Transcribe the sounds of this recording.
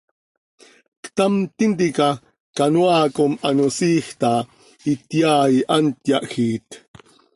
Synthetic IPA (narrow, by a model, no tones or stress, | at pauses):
kt̪amt̪int̪̬ika | kanwaːkomanosiːxt̪a | it̪jaːiʔant̪jaʔxit̪